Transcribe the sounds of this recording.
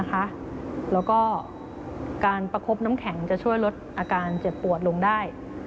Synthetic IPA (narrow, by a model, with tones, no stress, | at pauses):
kʰa˦˥ʔ | lɛː˦˥wkɔː˥˩ | kaː˧npa˧kʰo˦˥p̚na˦˥mkʰɛ˩˦ŋt͡ɕa˨˩t͡ɕʰu˥˩əjlo˦˥t̪̚ʔaː˧kaː˧nt͡ɕe˨˩pːu˨˩ət̪̚lo˧ŋdaː˥˩j